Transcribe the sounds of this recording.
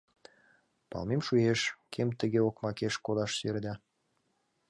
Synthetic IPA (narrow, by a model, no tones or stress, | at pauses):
pɑ̰lmemʃujeʃkʰemt̪ə̆ɣeokmɑkeʃkolɑʃserd̪ʲɑ